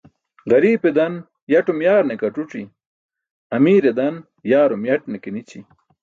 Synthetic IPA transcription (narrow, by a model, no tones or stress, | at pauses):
ɡɐɾiːped̪ɐn | jɐʈumjaːɾnekɐʈuʈ͡ʂi | ɐmiːɾed̪ɐn | jaːɾomjɐʈnekenit͡ɕi